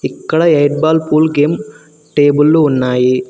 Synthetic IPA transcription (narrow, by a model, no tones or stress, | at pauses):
ɪkːɐɽɐɐɪʈ̚baːlpuːlɡeːm | ʈeːbɯlːʊnːaːji